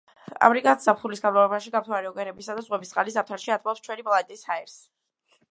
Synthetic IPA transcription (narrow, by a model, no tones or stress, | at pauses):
a̰mɾikʼat̪ʰz̥apχulisɡanmavɛbaʃiɡap̚ʰt̪ʰwaɾɛɔɡɛɾɛbisad̪az̥ʁwɛbist̪sʼqʼalis̬ap̚t̪ʰaɾʃiat̪ʰmɔpst͡ʃʰwɛnipʼlˠat̪ʼishaɛɾs